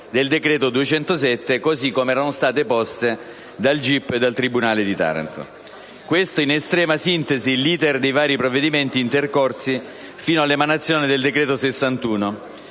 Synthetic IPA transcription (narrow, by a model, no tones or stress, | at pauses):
d̪eld̪ekɾeːt̪od̪uet͡ʃɛnt̪osɛt̪ːekozikːomeɛːɾanost̪aːt̪̬epɔst̪e | d̪ald͡ʒipːed̪ːalt̪ɾibunaːled̪it̪a̰ːɾa̰nt̪o̰ | kwest̪oinest̪ɾɛːmasint̪ezilːiːd̪erd̪ejvaːɾipɾovːed̪iment̪iːnt̪erkorsi | fiːnoalːemanat̪sːjoːnid̪eld̪ekɾeːt̪osesːant̪uːno